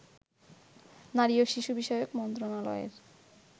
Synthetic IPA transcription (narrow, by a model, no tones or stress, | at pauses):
naɾioʃiʃubiʃɔjokmɔnt̪ɾonalɔ̰ḛɾ